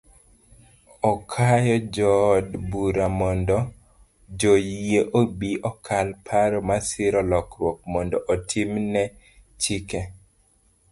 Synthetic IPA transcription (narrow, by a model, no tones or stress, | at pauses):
ɔkʰajɔd͡ʒɔdbuɾamɔndɔ | d͡ʒojieʔobiʔɔkʰalpʰaɾɔmasɪɾɔlɔkɾwɔk̚mɔndɔʔɔtʰimnɛ | t͡ʃikɛ